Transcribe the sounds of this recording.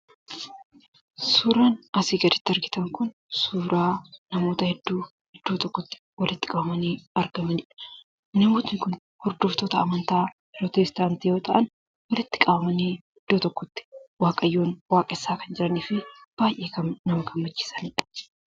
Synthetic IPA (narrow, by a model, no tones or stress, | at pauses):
suːɾaːnɐsiːɡɐd̪ɪt̪ːɪɐɾɡɪt̪ɐŋkʊn | suːɾaːnɐmo̞ːt̪ɐhɛd̪ːuː | hd̪̥ːuːt̪ɔkːɔt̪ːɪ̥wɐlɪt̪ːɪ̥kʼɐbɐmɐniːɐɾɡɐmɐnɪᶑɐ̥ | nɐmoːt̪nɪkʊn | hɔɾd̪oːft̪oːt̪ɐɐmɐnt̪aːbɪɾot̪eːst̪aːnt̪ijo̞ːt̪ɐʔɐn | wɐlɪt̪ːɪ̥kʼɐbɐmɐniːhɪd̪ːoːt̪ɔkːɔt̪ːɪ̥waːkʼɐjːoːnwaːkʼɐɪsːaːkɐnd͡ʒɪɾɐniːfɪb̥aːjʔe̞ːkɐmnɐmɐkɐmbɐt͡ʃːɪ̥sɐnɪᶑɐ̥